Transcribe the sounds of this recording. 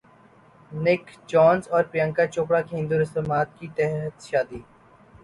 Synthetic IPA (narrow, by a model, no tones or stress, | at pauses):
nɪkd͡ʒɔːnzɔːɾpɪjə̃ːŋkat͡ʃoːp̬ɽakeɦɪ̃nd̪uːɾɪst̪emaːt̪kit̪ɛɦət̪ʃaːd̪iː